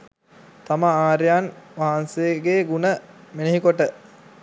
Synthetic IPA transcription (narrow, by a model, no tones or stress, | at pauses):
t̪aməaːɾjanʋaɦanseɡeːɡunəmeneɦikoʈə